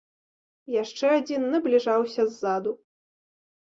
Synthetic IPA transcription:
jaʂt͡ʂɛad͡zʲinːɨblʲiʐawsʲɐzːad̪u

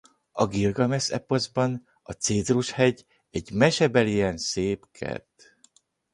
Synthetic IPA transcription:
ɒɡirɡɒmɛsɛpozbɒn | ɒt̪seːzruʃhɛɟ | ɛɟmɛʃɛbɛlijɛnseːpkʰɛ̰rt̪

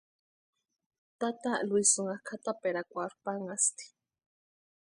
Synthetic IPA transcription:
t̪at̪alwisuŋakʰat̪apeɾakʷaɾpaŋast̪i̥

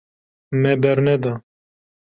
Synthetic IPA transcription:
mɛbɛɾnɛd̪a

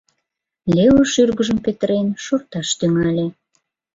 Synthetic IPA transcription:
lʲewəʃyrɣəʒəmpet̪əɾenʃort̪ɑʃt̪yŋɑlʲe

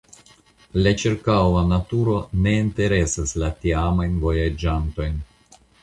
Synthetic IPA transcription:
lat͡ʃiɾkawanatuɾo̞ne̞inte̞ɾe̞saslatiamajnvo̞jad͡ʒanto̞jn

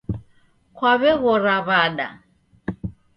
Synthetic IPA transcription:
kʰwaβɛɣɔɾaβaɗa̰

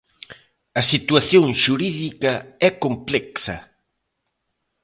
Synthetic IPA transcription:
ɐsit̪uaθjõŋʃuɾiðikɐɛkomplɛksɐ̰

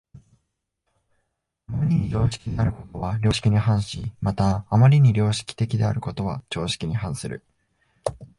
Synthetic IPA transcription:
amaɾʲiɲ̟iɾʲo̞ːɕi̥kʲiɲinaɾɯ̟ko̞̥t̪o̞βaɾʲo̞ːɕi̥kʲiɲ̟iɦãɰ̃ɕimat̪aːmaɾʲiɲ̟iɾʲo̞ːɕi̥kʲi̥t̪e̞kʲid̪e̞a̰ɾɯ̟ko̞t̪o̞βat͡ɕo̞ːɕi̥kʲiɲ̟ihãɰ̃sɨɾɯ̰

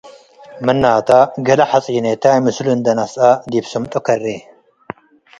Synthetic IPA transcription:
mɨnːaːt̪ʰaɡɐlɐħat͡sʼinet̪ʰajmɨslund̪ɐnasad̪ibsɐmt̪ʼukʰɐri

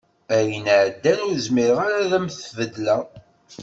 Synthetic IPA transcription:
æjənʕəd̪ːænʊɾzmiɾəʁaɾaðæmθvəd̪læ

